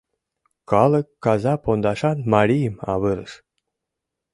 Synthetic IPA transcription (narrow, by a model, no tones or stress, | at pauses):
kɑləkːɑzɑpond̪ɑʃɑnmɑɾʲijəmɑ̰βɨɾə̰ʃ